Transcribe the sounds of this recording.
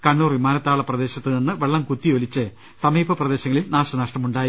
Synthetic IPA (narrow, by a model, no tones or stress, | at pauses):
kɐɳːuːrʋimaːnɐt̪ːaːɭɐprɐd̪e̞ːɕɐt̪ːɨninːɨʋeɭːɐmkut̪ːiolit͡ɕːɨ | sɐmiːbʱɐprɐd̪e̞ːɕɐŋːɐɭilnaːɕɐnɐʂʈɐmuɳɖaːji